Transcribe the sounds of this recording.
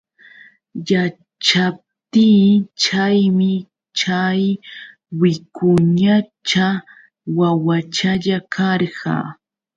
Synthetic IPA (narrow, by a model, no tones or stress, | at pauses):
ja | t͡ʃap̚t̪iːt͡ʃajmɪ | t͡ʃaj | wɪkʊɲat͡ʃa | wawat͡ʃaʎakʰɑɾɢɑ̰